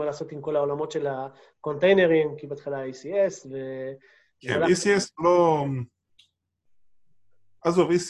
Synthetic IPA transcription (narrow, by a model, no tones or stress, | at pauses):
alaːso̞t̪imko̞lao̞lamo̞tʃe̞la | ko̞nt̪ejne̞ʁimkibeat̪χilaejsiesve̞ | aalaesieslo | azovejs